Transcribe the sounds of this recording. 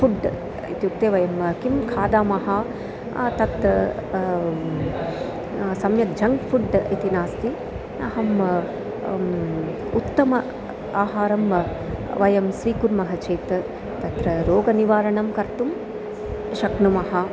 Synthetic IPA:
fuɖ | ḭt̪juk̚t̪eːʋɐjɐmkimkʰaːd̪aːmɐɦɐ | t̪ɐt̪ɐ | sɐmjɐt̪̚d͡ʒʱɐŋɡfʰuɖit̪inaːst̪i | nɐ̰ɦɐm | ut̪ːɐmɐ | aːɦaːɾɐm | ʋɐjɐmsʋiːkuɾmɐɦɐt͡ʃeːt̪ | t̪ɐt̪ɾɐɾoːɡɐniʋaːɾɐɳɐmkɐɾt̪um | ʃɐknumɐɦɐ

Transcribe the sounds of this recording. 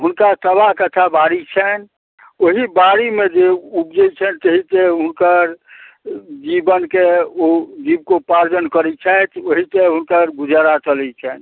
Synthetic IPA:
ɦunkasəbaɦkət̪ʰabaɾit͡ʃʰɛn | oɦibaɾimed͡ʒeubd͡ʒɛt͡ʃʰɛnt̪əɦit̪eɦʊnkəɾ | d͡ʒibənkeod͡ʒib̚kopaɾd͡ʒənkəɾɛt͡ʃʰɛt̪ʰoɦit̪eɦunkəɾɡud͡ʒaɾat͡ʃəlɛt͡ʃʰɛn

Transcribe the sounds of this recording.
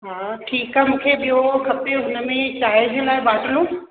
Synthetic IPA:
ɦãːʈʰiːkamʊkʰebɪokʰɐpeɦʊnəmẽt͡ʃaːed͡ʒelaːebaːʈlõ

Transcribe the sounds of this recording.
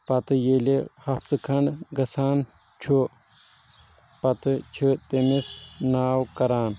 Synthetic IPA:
pɐt̪ɨjelehɐft̪ɨkʰɐɳɖɡɐsaːn | t͡ʃʰu | pɐt̪ɨt͡ʃʰɨt̪emisnaːwkɐɾaːn

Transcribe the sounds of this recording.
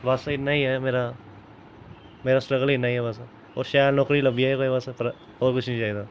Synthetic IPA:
ʋaːsaɪnaɦĩɦɛmeːɾa | meːɾasʈɾəɡəlinaɦĩɦɛʋaːsa | ɔ̰ːɾʃaːjɾnɔːkɾilɐbiaekoeʋaːsapɐɾ | oːɾkʊt͡ʃʰnĩːd͡ʒaːid̪aː

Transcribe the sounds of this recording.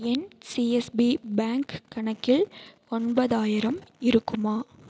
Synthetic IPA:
ɛnsiɛsbibaːŋkːɐɳɐkːɪɭ | ɔɳbɐðaːjɪɾɐmɪɾɯkːɯmaː

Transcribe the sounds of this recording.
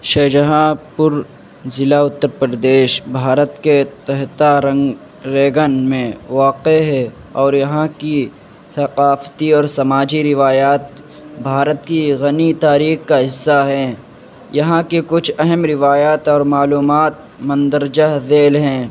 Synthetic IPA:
ʃɐːd͡ʒəɦãpʊɾ | zɪlaʊt̪ːəɾpəɾəd̪eːʃbʱaːɾət̪ket̪ɛɦt̪aɾɐ̃ŋɡ | ɾeːɡənmẽʋaːqeɦɛ | ɔːɾjɐɦãki | sɐqaːft̪iɔːɾsɐmaːd͡ʒiɾɪʋaːjaːt̪ | bʱaːɾət̪kiɣɐnit̪aːɾiːxkaɦɪsːaɦɛ̃ː | jɐɦãkekʊt͡ʃʰɛɦɛmɾɪʋaːjaːt̪ɔːɾmaːluːmaːt̪̚ | mɐ̃nd̪əɾd͡ʒaɦzeːlɦɛ̃ː

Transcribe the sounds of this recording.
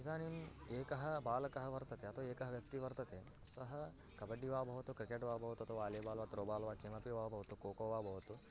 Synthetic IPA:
id̪ʱaːnimeːkɐɦɐ̆baːlɐkɐɦɐʋɐɾt̪ɐt̪eɐt̪ʰoeːkɐɦɐʋjɐk̚t̪iʋɐɾt̪ɐt̪e | sɐɦɐ | kɐbɐɖːiʋaːbʱɐʋɐt̪ukɾikeːʈʋaːbʱɐʋɐt̪ɐt̪uʋaːleːbaːlʋaːt̪ɾoːbaːlʋaːkimɐpiʋaːbʱɐʋɐt̪ukoːkoːʋaːbʱɐʋɐt̪u

